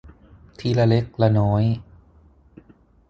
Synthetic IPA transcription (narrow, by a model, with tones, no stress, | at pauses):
t̪ʰiː˧la˧le˦˥k̚la˧nɔː˦˥j